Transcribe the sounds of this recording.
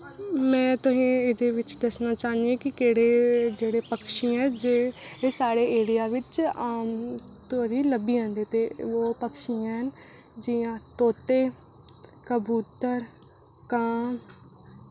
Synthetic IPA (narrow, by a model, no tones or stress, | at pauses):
mɛ̃ːt̪ʊɦĩːɪd̪eːʋɪt͡ʃd̪əsnaːt͡ʃaːniẽːkɪkeːɽeːd͡ʒeːɽeːpəkʃĩɛ̃ːd͡ʒeːsaːɽeːeːɽijaːʋɪt͡ʃː | t̪oːɾiːləbiːãːnd̪eːt̪eːoːpəkʃiːãɦən | d͡ʒɪjãːt̪oːt̪eː | kəbuːt̪əɾ | kãːm